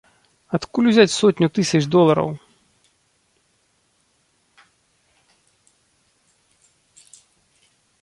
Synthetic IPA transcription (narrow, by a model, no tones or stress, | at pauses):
ɐt̪kulʲuzʲat͡sʲsɔtʲnʲut̪ɨsʲɐd̪ɔlˠɐɾɐ̰w